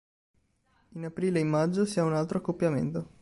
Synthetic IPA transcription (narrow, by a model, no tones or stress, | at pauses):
inapɾiːleimːad͡ʒːosiaunalt̪ɾoakːopːjamḛnt̪o